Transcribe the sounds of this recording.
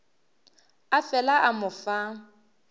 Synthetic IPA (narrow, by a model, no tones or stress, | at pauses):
afɛlaʔamʊfa